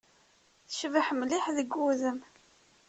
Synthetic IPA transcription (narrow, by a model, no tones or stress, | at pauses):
θə̥ʃvəħmliħðəɡuðəm